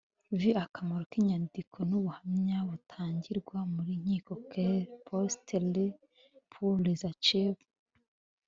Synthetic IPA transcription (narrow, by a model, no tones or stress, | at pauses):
viakamaɾokiɲandikʰo̞nuβuhamɲaβutʰaːɲɟiɾɡwamuɾiɲ̥iːkokepʰostele | pʰulezat͡ʃeβ